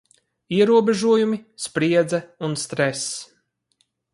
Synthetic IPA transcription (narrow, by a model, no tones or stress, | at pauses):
iɛɾuɔbʲɛʒuɔjumispɾiɛd̪zaunst̪ɾɛs